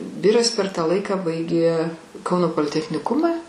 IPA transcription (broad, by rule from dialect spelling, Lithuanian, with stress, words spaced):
ˈʋʲɪrɐs pʲɛr ˈtɑː ˈlˠɐɪkɑː ˈbɐɪɡʲeː ˈkɐʊnoː poːlʲɪtʲɛxʲnʲɪˈkʊmɐ